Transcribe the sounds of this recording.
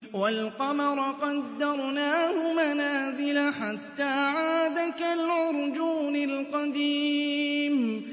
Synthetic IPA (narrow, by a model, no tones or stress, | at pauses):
walqɑmɑɾˤɑqɑd̪ːɑɾˤnaːhʊmanaːzɪlaħat̪ːaːʕaːd̪akalʕʊɾˤd͡ʒuːnɪlqɑd̪iːm